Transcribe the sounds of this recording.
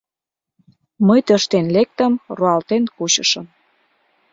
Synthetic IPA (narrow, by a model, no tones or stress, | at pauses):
məjt̪əʃt̪enlek̚t̪əmroɑlt̪enkuɕə̆ʃəm